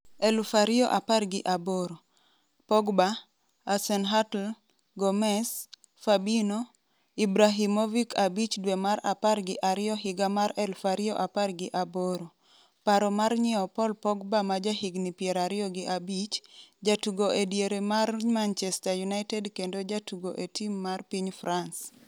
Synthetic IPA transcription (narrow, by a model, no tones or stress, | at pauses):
ɛlfaɾɪɔʔaparɡɪʔaboɾo | pɔɡbaː | sɛnɦatl | ɡɔmɛs | fabino | ibɾaɦimovikʰabit͡ʃdwemaɾa̰parɡɪʔaɾɪjɔɦɪɡamaɾɛlfaɾɪɔʔaparɡɪʔaboɾo | paɾɔmarɲɪɔpɔlpɔɡbamad͡ʒahiɡnipjɛɾaɾɪɔɡɪʔabit͡ʃd͡ʒatuɡoʔedjeɾemarmant͡ʃɛstajunaɪtɛdkendod͡ʒatuɡoʔetimːarpiɲfrans